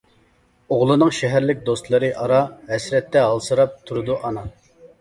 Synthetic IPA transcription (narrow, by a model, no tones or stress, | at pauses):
oʁlˠɨnɨŋʃɛɦæɾlɪk̚ʲd̪ost̪lˠɨɾɨʔɑɾɑɦɛsɾɛt̪ːɛɦɑlˠsɨɾɑp̚t̪ʰuɾud̪uʔɑnɑ